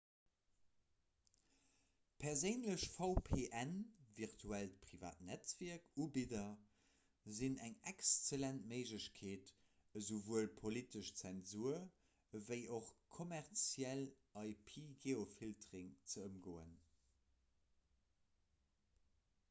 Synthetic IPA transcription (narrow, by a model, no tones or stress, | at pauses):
pʰɛʁzəɪnləɕfɑʊpʰeːʔænviʁtʰuæltəpʁiva̰ːtnæt͡sv̥iɐkubidɐ | zinæŋɛkst͡selæntməɪʒləɕkʰeːt | əzovuəlpʰolitəʃt͡sɛnzuɐ | əvəɪʔoχkʰomæʁt͡sjælʔɑɪpʰiːɡeːofiltʁiŋt͡səəmɡoːə̰n